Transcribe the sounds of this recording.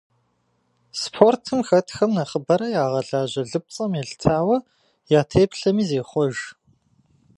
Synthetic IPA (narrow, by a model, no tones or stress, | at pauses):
spʰoːrtʰɨmxɐtʰxɐmnɐχəbɐɾɐjaːʁɐɮaːʑɐɮɨp̚t͡sʼɐmjeɬtʰaːwɐ | jaːtʰeːpɬɐmiːzeːχʷɔʒ